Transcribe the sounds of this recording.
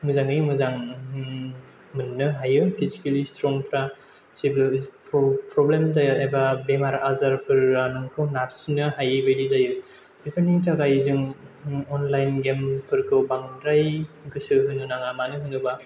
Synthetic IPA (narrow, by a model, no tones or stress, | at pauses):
mɯzaŋɯjmɯzaŋ | mɯnːɯɦajɯpʰizikelistɾɔŋpʰɾa | sibppɾɔblemzajɯajbabemaɾazaɾpʰɯɾːanɯŋkʰɯwnaɾsnɯhajɯbelizajɯ | ipʰɯnitʰaɡajzɯŋɔnlajnɡempʰɯɾkʰɯbaŋɾajɡɯsɯɦɯnɯnaŋamanɯɦɯnɯba